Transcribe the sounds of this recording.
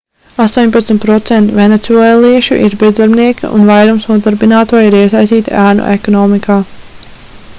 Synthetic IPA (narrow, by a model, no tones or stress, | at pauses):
ast̪oːɲpat̪sʲmʲt̪pɾɔt̪sɛnt̪venet̪suɛlˠiɛʃṵʔḭɾbɛzd̪aɾbniɛkḭʔṵnvajɾumsnuɔd̪aɾbinaːt̪uɔiɾiɛsajst̪iːt̪aʔæːnṵʔekɔnɔːmikʰaː